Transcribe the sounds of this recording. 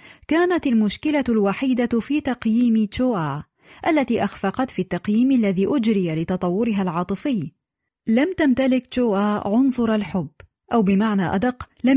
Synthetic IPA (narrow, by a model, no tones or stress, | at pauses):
kaːnat̪almʊʃkɪlalwaħiːd̪afiːt̪ɑqjiːmt͡ʃoːʔaː | ʔalːat̪iːʔaxfɑqɑt̪fiːt̪ːɑqjiːmʔalːaðiːʔʊd͡ʒɾɪjalɪt̪ɑt̪ˤɑwːʊɾɪɦalʕɑːt̪ˤɨfɪjː | lamt̪amt̪alɪkt͡ʃoːʔaːʕʊnsˤʊɾˤalħʊbː | ʔawbɪmaʕnaːʔa̰d̪ɑqːlam